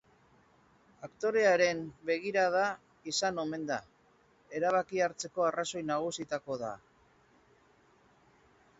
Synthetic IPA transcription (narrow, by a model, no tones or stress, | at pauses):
akt̪o̞ɾe̞aɾe̞mbe̞ɣ̞iɾað̞a | isano̞me̞nd̪a | e̞ɾaβ̞akiaɾt͡se̞ko̞araso̞jnaɣ̞usit̪ako̞ða̰